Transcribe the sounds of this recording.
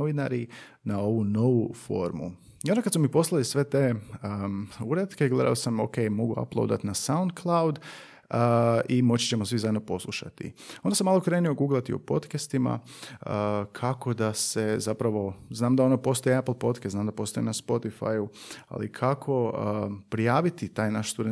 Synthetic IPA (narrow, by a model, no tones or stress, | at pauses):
ʋinaɾinao̞ʋuno̞ʋufo̞̰ɾmṵ | iond̪akad̪smumipo̞slˠalisʋe̞t̪e̞ | uɾed̪keɡle̞d̪a̰osamo̰ke̞jmo̞ɡua̰plˠo̰d̪a̰t̪nasawund̪̚kʰlˠawd̪ | imo̞t͡ɕi̥t͡ɕemosʋizajenopo̞slˠuʃa̰t̪ḭond̪asemːaːlˠo̞kɾe̞ːnio̞ɡuːɡlˠat̪io̰po̞̰d̪kast̪ima̰əkʰako̞d̪ase̞zapɾaʋo̞znaːmd̪ao̞nopo̞st̪o̞jeapl̩ˠpo̞t̪keznaːmd̪apo̞ːst̪ojenaspo̞t̪ifa̰jua̰likʰakʰo̞pɾijaːʋit̪it̪aːjnaʃst̪ud̪e